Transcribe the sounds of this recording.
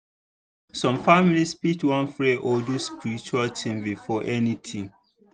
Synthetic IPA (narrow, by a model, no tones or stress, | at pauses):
sɔ̃mfamilispitwɔ̃nfɹeʔɔduspiɹit͡ʃualtʰĩmbifɔʔɛnitʰĩm